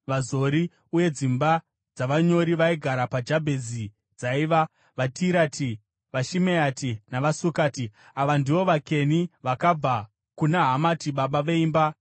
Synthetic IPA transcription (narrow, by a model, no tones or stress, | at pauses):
ʋazo̞ɾi | uje̞d͡zimba | d͡zaʋaɲo̞ɾiʋaiɡʱaɾapad͡ʒabʱe̞zi | d͡zaiʋa | ʋatʰiɾatʰi | ʋaʃimeatinaʋasukaːti | aʋandiʋo̞ʋake̞niʋakab͡va | kunaɦamatiɓaɓaʋe̞iːmba